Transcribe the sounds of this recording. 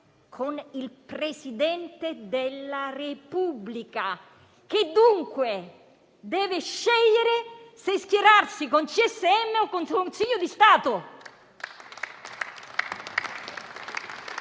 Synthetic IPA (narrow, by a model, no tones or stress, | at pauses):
kʰonilpɾesid̪ɛnt̪ed̪elːarepublika | k̟ɪd̪ːuŋkwe | d̪ɛːvɪʃːɛʎːeɾeseskjeɾarsikont͡ʃiɛsːeɛmːeɔkːonsukkonsiʎːʊd̪ist̪aːt̪ʊ